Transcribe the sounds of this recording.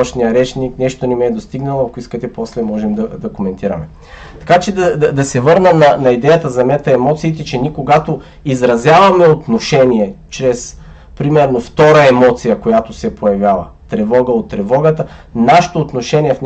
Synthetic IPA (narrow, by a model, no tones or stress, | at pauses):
ʃnijəɾɛt͡ʃniknɛʃt̪onɛmɛd̪ost̪iɡnɐlˠoɐkoiskət̪ɛpɔslɛmɔʒɛmd̪ɐd̪ɐkomɛnt̪iɾɐmɛ | t̪ɐ̥kat͡ʃɛd̪ɐd̪d̪ɐsɛvɤɾnəmnɐnɐid̪ɛjət̪əzɐɛmɛt̪ɐɛmɔt̪siːt̪ɛt͡ʃɛnikoɡat̪o | izɾɐzʲjavɐmɛot̪noʃɛniɛt͡ʃɾɛs | pɾimɛɾnoft̪ɔɾɐɛmɔt̪sijɐkojat̪osɛpʰojɐvʲjavɐ̰ | t̪ɾɛvɔɡəot̪ːɾɛvɔɡət̪ənaʃɪ̥t̪oːt̪noʃɛniɛfn